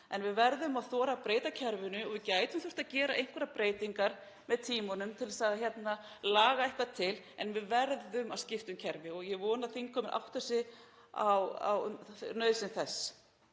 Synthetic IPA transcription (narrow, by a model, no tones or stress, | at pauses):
ɛnvɪðvɛɾðʏmaðθɔːɾapɾeːjt̪acʰɛɾvʏnʏɔɣvɪðcaːjt̪ʏmθʏr̥t̪aðcɛːɾa̰ʔejŋ̥kvɛɾapɾeːjt̪iŋkaɾ̥ | mɛðt̪ʰiːmɔnʏmt̪ʰɪlɛsaðçjɛt̪na | laːɣaɛjhkat̪ʰɪl | ɛnvɪðvɛɾðʏmaðscɪft̪ʏmcʰɛɾvɪɔɣjɛɣvɔːnaθiŋkʰɔːmɪnʔa̰wht̪ɛsɪ | awa̰wnœɥðsɪnθɛsː